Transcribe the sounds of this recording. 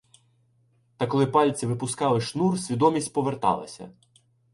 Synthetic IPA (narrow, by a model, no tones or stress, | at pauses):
t̪ɐkɔlˠɪpɑlʲt͡sʲiʋɪpʊskɑlˠɪʃnursʲʋʲid̪ɔmʲisʲtʲpɔʋert̪ɑ̰lˠɐ̰sʲɐ̰